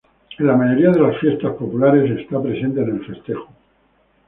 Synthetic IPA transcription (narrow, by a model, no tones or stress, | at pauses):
elamaʝo̞ɾiað̞e̞lasfje̞st̪aspo̞pulaɾe̞se̞st̪apɾe̞se̞nt̪eːne̞lfe̞st̪e̞xuo̥